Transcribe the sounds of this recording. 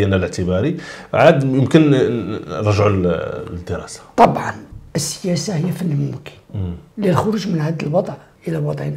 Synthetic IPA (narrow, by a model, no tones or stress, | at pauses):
ənæləʕt̪əbɑɾiʕad̪jəmkən | ɾˤɑʒʕud̪əɾɑ̰sḁt̪ˤɑbʕɑ̰nʔəsːə̥jæsahəjːæfənːmʊmki̥nlilxʊɾuʒmənʕad̪əlwɑd̪ˤʕ | ʔəlælwɑd̪ˤʕin